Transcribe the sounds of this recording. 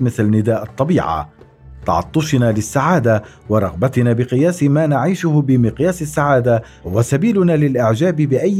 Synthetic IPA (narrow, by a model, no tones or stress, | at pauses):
mɪθlanːɪd̪aːʔɑt̪ˤːɑbiːʕa̰ | t̪ɑ̰ʕɑ̰t̪ˤːʊʃɪnaːlɪsːaʕaːd̪awɑɾˤɑɣbat̪ɪnaːbɪqɨjaːsmaːnaʕiːʃʊhbɪmɪqjaːsɪsːaʕaːd̪ahʊwasabiːlʊnaːlɪlʔɪʕd͡ʒaːbɪbɪʔajː